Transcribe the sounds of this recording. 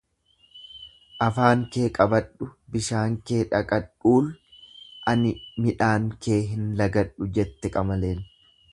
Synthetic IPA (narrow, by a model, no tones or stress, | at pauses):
ʔɐfaːŋke̞ːkʼɐbɐᶑʊbɪʃaːŋkeːᶑɐkʼɐᶑuːl | ʔɐnɪmɪᶑaːŋke̞ːɦɪnlɐɡɐᶑʊd͡ʒɛt̪ːɛkʼɐmɐle̞ːn